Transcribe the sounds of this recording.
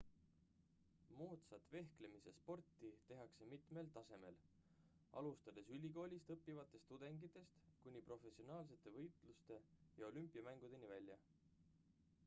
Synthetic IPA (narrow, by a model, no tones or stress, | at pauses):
moːt̪sɑt̪ːˑve̞hkle̞misespo̞rt̪ːˑit̪e̞ɦɑkse̞mit̪me̞lt̪ɑse̞me̞̰l | ʔɑ̰lust̪ɑd̪̥e̞sylʲiko̞ːlʲist̪ɤpːivɑt̪ːˑe̞st̪ːud̪̥e̞ŋɡit̪ːˑe̞st̪kunʲːipro̞fe̞sːio̞nɑːls̬e̞t̪ːˑe̞vɤjt̪ˑlust̪e̞jɑo̞lympːˑiɑmæŋɡ̥ud̪̥e̞nivælʲːjɑ̰